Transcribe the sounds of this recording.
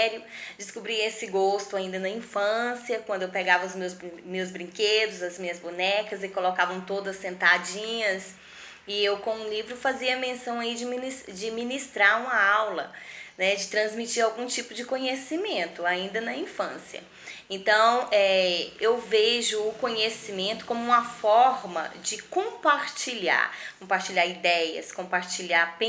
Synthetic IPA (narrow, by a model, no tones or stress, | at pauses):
ɾjʊd͡ʒɪskubɾiɐesɪɡost̪ʊaĩnd̪ɐnɐĩfɐ̃siɐkwɐ̃nd̪ʊewpɛɡavɐʊzmewzmewzbɾĩked̪ʊzɐzmĩɲɐzbunɛkɐzɪkolokavɐ̃w̃t̪od̪ɐsːẽnt̪ad͡ʒĩɲɐs | ɪewkõũlivɾʊfaziɐmẽsɐ̃w̃aid͡ʒɪminid͡ʒɪminist̪ɾaɾũmɐawlɐnɛd͡ʒɪt̪ɾɐ̃zmit͡ʃiɾawɡũt͡ʃipʊd͡ʒɪkõɲesimẽnt̪ʊaĩnd̪ɐnɐĩfɐ̃sjɐ̰ | ẽnt̪ɐ̃w̃ɛewveʒʊːkõɲesimẽnt̪ʊ̥kõmʊũmɐfɔɾmɐ̰d͡ʒɪkõpaɾt͡ʃiʎa̰ɾkõpaɾt͡ʃiʎaɾid̪ɛjɐ̰skõpaɾt͡ʃiʎaɾpẽ